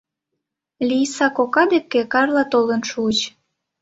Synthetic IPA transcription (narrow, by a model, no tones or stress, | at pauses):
lʲisɑkokɑd̪ekːekɑrlɑt̪olənʃuət͡ɕ